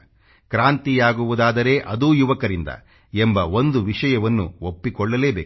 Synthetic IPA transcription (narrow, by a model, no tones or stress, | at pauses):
kɾaːnt̪ijaːɡuʋud̪aːd̪ɐɾe̞ːʔɐd̪uːjuʋɐkɐɾind̪ɐ̰ | embɐo̞nd̪uʋiʂɐjɐʋɐnːṵopːikɔɭːɐle̞ːbeː